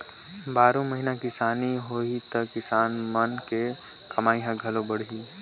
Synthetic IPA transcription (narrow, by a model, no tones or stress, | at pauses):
baːɾõməɦinakɪsaːniɦoit̪əkːɪsaːnmənke | kɐmaːiɦãɡʱɐlõbəɽ̤i